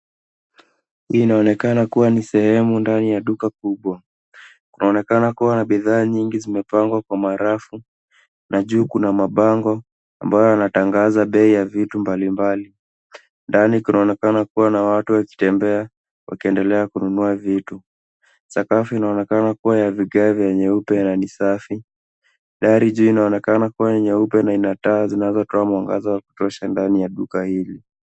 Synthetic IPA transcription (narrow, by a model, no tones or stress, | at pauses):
hiːnaɔnɛkanakuwanisɛhɛmundanijaɗukakuɓwa | kunaɔnɛkanakuwanaɓiðaːɲiŋɡizimɛpaŋɡwakwamaɾafu | naʄuːkunamaɓaŋɡɔ | a̰mbajɔanataŋɡazaɓɛijavitumbalimbali | ndanikinaɔnɛkanakuwanawatuwaki̥tɛmbɛa | wʔa̰kiɛndɛlɛakununuavitu | sakafiinaɔnɛkanakuwajaviɠavjɛɲɛupɛnanisafi | ɗaɾiʄuːinaɔnɛkanakuwaɲɛɲɛupɛnainataːzinazɔtɔamwaŋɡa̰zawaku̥tɔʃandanijaɗukahili